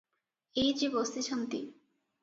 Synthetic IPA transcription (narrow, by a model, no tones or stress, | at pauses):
ejd͡ʑibost̪iʃant̪i